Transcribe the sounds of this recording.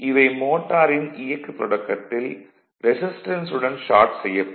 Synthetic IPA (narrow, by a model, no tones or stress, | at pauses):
ʔɪʋɐɪmoːʈːaːɾɪnɪjɐkːɯpːɾɔɽɐkːɐt̪ːɪl | ɾɛsɪsʈɐnsɯɽɐnʃaːɾʈsɛjːɐ